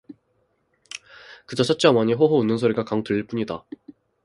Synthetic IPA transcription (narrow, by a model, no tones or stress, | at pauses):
kɯd͡ʑat͡ɕʰat͡ɕ͈amaɲiɸoɦounːɯnsʰoɾiɡakaŋtɯʎiɭp͈uɲida